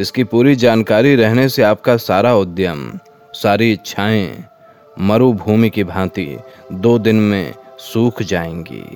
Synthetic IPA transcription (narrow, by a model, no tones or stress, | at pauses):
ɪskipuːɾid͡ʒaːnkaːɾiɾɛɦneseaːp̚kasaːɾaʊd̪jəm | saːɾiɪtːt͡ʃʃʰaːẽ | mɐɾubʱuːmikibʱãːt̪ḭd̪oːd̪ɪnmḛ̃suːkʰd͡ʒaːḛ̃ːŋɡḭː